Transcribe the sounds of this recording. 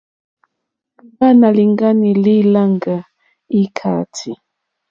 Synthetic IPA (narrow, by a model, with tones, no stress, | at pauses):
u˨ba˦na˨li˨ŋɡa˦ni˨li˦la˦ŋɡa˨ | i˦kʰa̰˨tʰi˨